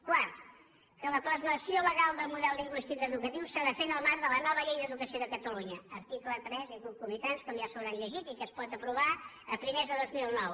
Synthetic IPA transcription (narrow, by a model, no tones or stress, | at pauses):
kwart̪ | kələp̪ɾəzməsioləɣalˠd̪əlˠmuðɛlˠliŋɡwist̪ikəːðukət̪iwsəɾafenəlˠmaɾðələnɔβəʎejðəðukəsioðəkət̪əluɲəəɾt̪iklət̪ɾɛzikukumit̪anskɔmjasowɾanʎəʒit̪ikəspɔt̪əpɾuβa | əpɾimezðəðozmilˠnɔw